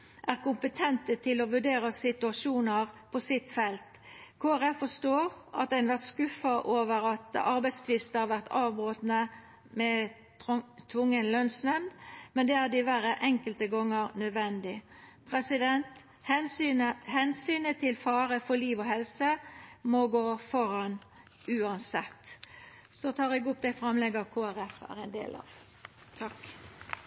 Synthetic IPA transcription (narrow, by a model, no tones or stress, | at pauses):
ʔæʁkʊmpət̪ʰɛnt̪ət̪ʰɪlɔʋʉɖeːɾɑsɪt̪ʉɑʂuːnəʁpʰɔsɪt̪fɛlt̪kʰoːæʁɛffɔʂt̪oːʁʔɑ̰t̪̚d̪æɪnʋæʁt̪skʉfɑʔoːʋəɾɑt̪ɑɾbɛɪst̪ʰʋɪst̪əhɑɾʋæʁt̪ʰɑːʋbʁoːt̪nə | mɛ | t̪ʰʋʊŋːənlœnsnœnd̪mɛnd̪ɛæd̪ɪʋæːɾəʔɛŋkəlt̪əɡɔŋːəɾnœd̪ʋɛnd̪ɪ | pʰʁɛsɪd̪ɛnt̪ | hɛnyəhɛnsyːnət̪ʰɪlfɑːɾəfɔliːʋɔɦɛlsəmɔɡoːfɔɾɑn | ʉːɑnsɛt̪ː | sɔt̪ʰɑːʁɛɡʊp̚d̪æɪfɾɑmlɛɡəʁkʰoːæɾɛfæ̰ʁɛnd̪ḛːlʔɑ̰ʋ | t̪ʰɑk